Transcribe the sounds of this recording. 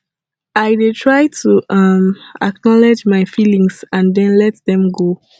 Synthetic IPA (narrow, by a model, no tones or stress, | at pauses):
ajdetʰɹajtʰuʌmaknɔlɛd͡ʒmajfilĩŋsãndɛ̃nlɛt̚ðɛ̃mɡo